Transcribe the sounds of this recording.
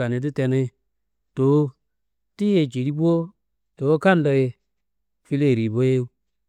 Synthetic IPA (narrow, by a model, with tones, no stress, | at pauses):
a˨e˨˧t̬ɨ˦tɛ˧ne˧˦ | to˨˦ | ti˦je˧˨d͡ʒi˨ɾi˦bʷo˦ | te˨wo˦ka˦n˦lə˧e˧ | fi˧le˦˨ɾi˨bo˦je˦u˦